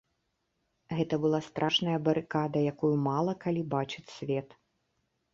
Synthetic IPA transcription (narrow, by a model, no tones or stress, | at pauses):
ɣɛt̪ɐbɨlˠast̪ɾʔaʂnɐjɐbɐɾɨkad̪ɐjakujumalˠɐkalʲibat͡ʂɨt͡sʲsʲvʲɛt̪